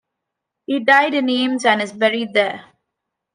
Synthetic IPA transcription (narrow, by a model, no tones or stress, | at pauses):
hiːɖaɪɖɪ̃nẽːmzæ̃ɳɖɪzbɛɾiɖ̚d̪eː